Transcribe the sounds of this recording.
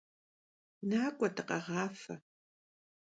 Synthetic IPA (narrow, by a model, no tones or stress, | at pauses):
naːkʷʼɐtʰɐqɑʁɑːfɐ